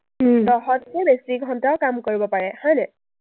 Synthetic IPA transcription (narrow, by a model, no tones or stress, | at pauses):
tɔɦɔtkɛbesiɡʱɔntaʊkamkoɹibɔpaɹɛhɔjnɛ